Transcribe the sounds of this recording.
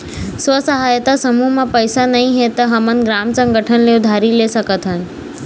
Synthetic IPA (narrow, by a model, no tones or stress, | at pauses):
sʋəsəɦaːjt̪asɐmumãpɐɪsanɐɦĩɦet̪ɐɦɐmənɡɾaːmsə̃ŋɡʱəʈʰənleʊd̪ʱaːɾilesɐkət̪ʰɦənɪ̆